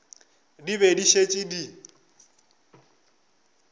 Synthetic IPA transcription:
diβediʃet͡ʃʼidi

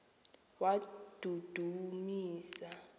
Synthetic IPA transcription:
wad̥ʱud̥ʱumiːsa

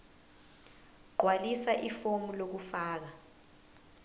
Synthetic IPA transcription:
ɡ͡ǃʱwalisaʔifomulok̬ufaːk̬a

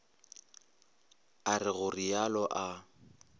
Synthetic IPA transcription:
arɪɣʊrijalɔʔa

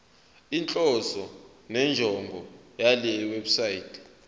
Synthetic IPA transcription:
int͡ɬʼɔsɔ | nɛnd͡ʒʱɔŋɡʱɔjalɛweɓusaiːtʰʼɛ̥

